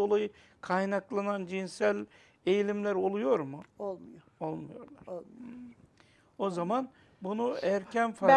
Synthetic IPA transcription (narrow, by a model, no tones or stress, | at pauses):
o̞lˠajɯ | kʰajnaklˠanand͡ʒinsælʲ | ejilʲimlʲæɾo̞lˠujo̞ɾmʊolˠj | olˠmujo̞̰ɾlˠaɾ | o̞zaman | bunuæɾcʰænfa